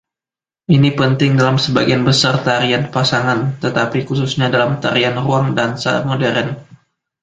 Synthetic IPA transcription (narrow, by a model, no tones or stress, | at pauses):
ʔinipənt̪ɪŋdalamsəbaɡianbəsart̪aɾianpasaŋant̪ət̪apikususɲadalamt̪aɾianruaŋdansa̰modɛɾɛn